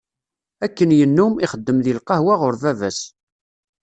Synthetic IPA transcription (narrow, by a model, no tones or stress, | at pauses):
ækːənjənːumiχəd̪ːəmðilqɑhwaʁʊɾvævæs